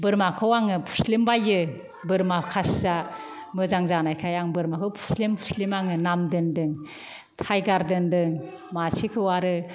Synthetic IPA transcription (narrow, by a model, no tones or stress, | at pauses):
bɯɾmakʰɯwaŋɯpʰu̥slimbajɯ | bɯɾmakʰasa | mɯzaŋzanajkʰajaŋbɯɾmakʰɯwpʰu̥slimpʰu̥slimaŋɯnamdɯndɯŋ | tʰajɡaɾdɯndɯŋ | masʰikʰɯwaɾɯ